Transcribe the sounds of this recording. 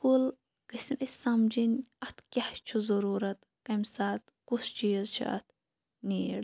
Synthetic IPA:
kul | kɐsinʔɐsʲsɐmd͡ʒinʲɐt̪ʰkʲaht͡ʃʰuzɐɾuːɾɐt̪ | kɐmʲsaːt̪ | kust͡ʃiːzt͡ʃʰḭɐ̰t̪̚ʰ | niːɽ

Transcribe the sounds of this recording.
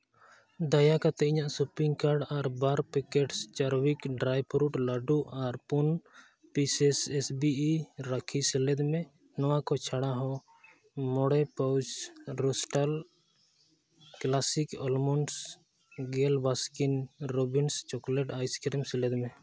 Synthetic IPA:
d̪ajakat̪ɛiɲaʔsupiŋɡkaɾɖaɾbaɾpɛkɛʈst͡ʃaɾwikɖɾajpɾuʈlaɖuʔaɾpun | pisɛsɛsbiɾakʰisɛlɛd̪mɛ | nɔwakɔt͡ʃʰaɽaɦɔ̃ | mɔɽɛpawd͡ʒɾɔsʈal | klasikɔlmɔns | ɡɛlbaskinɾɔbinst͡ʃɔklɛʈajskɾɛmsɛlɛd̪mɛ

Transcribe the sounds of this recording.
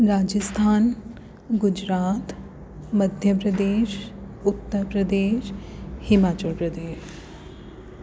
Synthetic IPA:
ɾaːd͡ʒəst̪ʰaːn | ɡʊd͡ʒɾaːt̪ | mɐd̪ʱjəpɾɐd̪eːʃ | ʊt̪ːəɾpɾɐd̪eːʃhɪmaːt͡ʃəlpɾɐd̪eːʃ

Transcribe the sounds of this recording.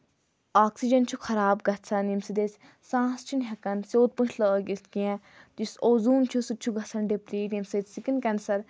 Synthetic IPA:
aːksid͡ʒɐnt͡ʃʰuxʰɐɾaːbɡɐt̪sʰɐnimsid̪et͡sʲ | sãːst͡ʃʰunɦɐkɐnsʲoːt̪̚pũʃʰləɡist̪kĩã | t̪isoːzuːmt͡ʃʰusut͡ʃʰuɡɐsʰɐnɖipɾiːnimset͡ssikinkʲɐnsɐɾ

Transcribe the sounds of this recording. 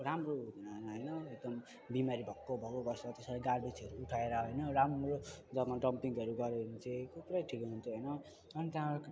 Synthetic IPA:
ramroud̪ʱinaɦnɦʌjnʌeɡ̚d̪ʌm | bimaɾibʱʌkːobʱʌkoɡʌsʌt̪esalaɡarɖit͡sʌɾuːʈʰaeɾʌɦʌjnʌramrod͡zʌmaɖʌmpiŋɡʌɾuɡʌɾenit͡sekokuɾajʈʰikɦunt̪ʰoɦʌjnʌ | ʌnit̪jã

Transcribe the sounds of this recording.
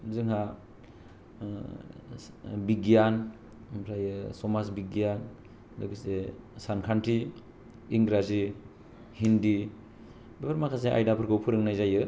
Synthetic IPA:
zɯŋɦa | biɡijan | mpʰɾajɯsɔmasbiɡijan | lɯbisesankʰantʰiː | ŋɡɾazi | hindi | bipʰaɾmakʰas̬eʔa̰jdapʰɯɾkʰɯwpʰɯɾɯŋnajzajɯ

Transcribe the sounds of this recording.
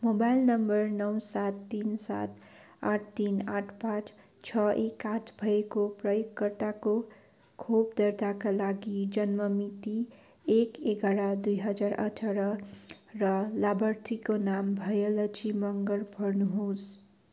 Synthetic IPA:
mobajlnʌmbʌrnʌwsat̪ːinsa̰t̪ | aʈʰt̪inaʈʰpãt͡sʰ | t͡sʰʌʔekãtbʱʌekoprʌjokːʌrt̪ako | kʰobd̪ʌrd̪akalaɡid͡zʌnmʌmit̪i | ekekʌɽad̪ujɦʌd͡zarʌ̰ʈʰʌɾʌrʌlabʌrt̪ʰikonambʱʌjʌlʌt͡ʃimʌŋɡʌrbʌrnuɦos

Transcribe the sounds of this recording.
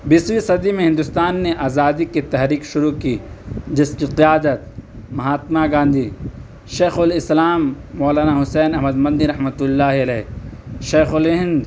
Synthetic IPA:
bɪswisɐd̪imẽɦɪ̃nd̪ʊst̪aːnːeʔaːzaːd̪ikit̪ɐɦɾiːkʃʊɾukid͡ʒɪskiqijaːd̪ət̪̚mɐɦaːt̪maɡãːnd̪ʱi | ʃeːxʊlɪslaːmːɔːlaːnaɦʊsɛːnɐɦməd̪mɐ̃nd̪ĩɾɐɦmət̪ʊlːaːɦiɐlɛːʃeːxʊlɦɪ̃nd̪

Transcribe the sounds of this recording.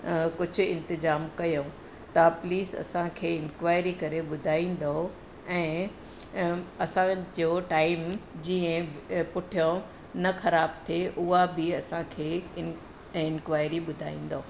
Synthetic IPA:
kʊd͡ʑʱʊ̆ɪ̰̃nt̪ɪzaːmkɐjõ | t̪ɐpliːsɐ̰sãkʰeːɪ̃nkʋaːɪɾikɐɾeɓʊd̪ʱaːĩːn̆d̪oo | ɛ̃ː | ɐsãd͡ʑoːʈaːɪmd͡ʑiːə̃pʊʈʰijõ | nɐxɐɾaːb̚t̪ʰeʔʊɦabɪɐsãkʰeːɪ | ɪ̃nkʋaːɪɾiɓʊd̪ʱaːḭ̃ːn̆d̪oo

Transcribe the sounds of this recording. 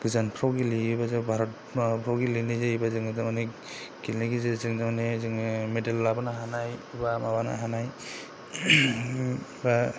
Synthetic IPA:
ɡ̥ɯzanpʰɾɔwɡiliːbazabʱaɾɔt̚ | pʰɾɔwɡilinɯzeibazɯŋzamane | ɡilnaɡizezɯŋzamanezɯŋmedalːabanaɦanajbamabana̰ɦanaj | ba

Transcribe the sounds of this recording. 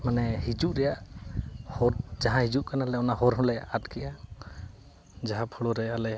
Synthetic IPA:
manɛhid͡ʒuʔɾɛjaʔ | hɔɾzaɦãhid͡ʒuʔkanalɛɔnaɦɔɾɦɔ̃lɛʔatkʰiʔa | d͡ʒaɦãpʰɔɽɔɾɛalɛ

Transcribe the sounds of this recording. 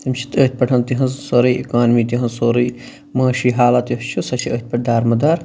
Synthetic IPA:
t̪ɐmt͡ʃʰi̥t̪əːt̪̚ʲpɐʈʰɐnt̪iɦɐnsoɾɐjʔḭkaːnmiːt̪iɦɐ̃nsoːɾij | mɐːʃiːɦaːlɐt̪joɦt͡ʃʰusɐt͡ʃʰiəːt̪̚ʲpɐʈ̚d̪aːɾmɐd̪aːɾ

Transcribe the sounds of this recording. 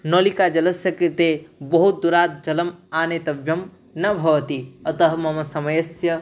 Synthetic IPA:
noːlikaːd͡ʒɐlɐsjɐkit̪ebɐɦut̪̚d̪uɾaːt̪̚d͡ʒɐlɐmaːnet̪ɐbjɐm | nɐbʱɐʋɐt̪iɐt̪ɐɦɐmɐmɐsɐmɐjɐsjɐ

